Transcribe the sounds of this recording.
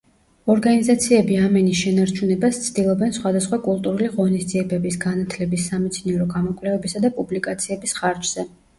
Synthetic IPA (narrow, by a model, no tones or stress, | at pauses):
ɔɾɡanizat̪sʰiɛbiamɛnisʃɛnaɾt͡ʃʰunɛbast̪sʰd̪̥ilˠɔbɛnsχwad̪asχwakʼulˠt̪ʼuɾuliʁɔnisd̪ziɛbɛbisɡanat̪ʰlɛbisːamɛt̪sʰniɛɾɔɡamɔkʼvlɛvɛbisad̪apʼublikʼat̪sʰiɛbisχaɾd͡ʒz̥ɛ